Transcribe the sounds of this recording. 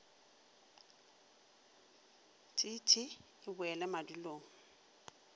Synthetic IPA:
tʼitʰʼɪ | ɪbʊɛlɛmaduloːŋ̩

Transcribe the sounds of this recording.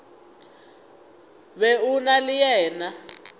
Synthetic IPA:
βeunalijɛːna

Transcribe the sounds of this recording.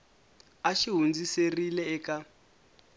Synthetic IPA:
aʃiɦund͡ziserilɛɛka

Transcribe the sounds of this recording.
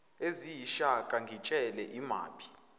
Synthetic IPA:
eziʃakʼaŋɡʱit͡ʃʼɛlɛʔima̰ːpʰi̥

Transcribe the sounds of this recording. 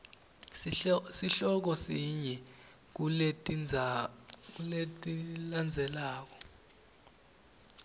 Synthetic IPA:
siɬɔk̬ɔsiɲɛ | k̬ue | kuletʼiland͡zʱɛlaːk̬ɔ̥

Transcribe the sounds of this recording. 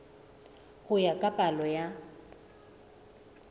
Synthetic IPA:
ɣʊjakʼapʼalɔja

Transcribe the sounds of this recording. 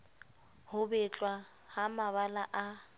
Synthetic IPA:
hʊbɛt͡ɬʼwa | hamaβalaʔa

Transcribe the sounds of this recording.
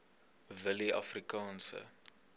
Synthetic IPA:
vəliʔɐ̰frikɑːnsə̰

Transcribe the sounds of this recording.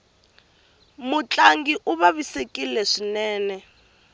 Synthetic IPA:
mut͡ɬʼaŋɡiʔuβaβisekʼilɛʂinɛːnɛ

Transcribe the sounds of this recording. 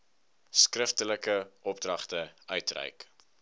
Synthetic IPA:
skrəftələkəʔɔp̚drɐχtəœɥtrɛ̰jk

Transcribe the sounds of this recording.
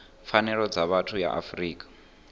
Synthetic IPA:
fanɛɺɔd͡zaβatʰuja̰ʔa̰friːkʼḁ

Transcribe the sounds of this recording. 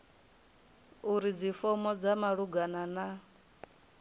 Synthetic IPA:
uɾid͡zifɔmɔd͡zamaɺuɡanana

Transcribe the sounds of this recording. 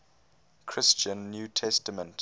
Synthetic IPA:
kʰɹɪst͡ʃə̃nːjuːtʰɛstəmə̃nt

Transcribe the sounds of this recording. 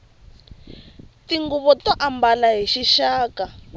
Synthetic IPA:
tiŋɡuβɔtɔʔambalaɦiʃiʃaːka

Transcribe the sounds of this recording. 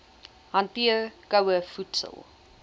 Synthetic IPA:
hɐntiərkəwəfutsə̰lˠ

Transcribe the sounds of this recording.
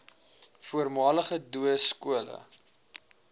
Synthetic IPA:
fuərmɑːləχəduəskuələ̰

